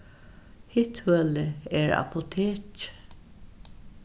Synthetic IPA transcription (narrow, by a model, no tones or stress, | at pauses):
hɪt̪ʰœlɪɛɹa̰pʰʊt̪ʰeːc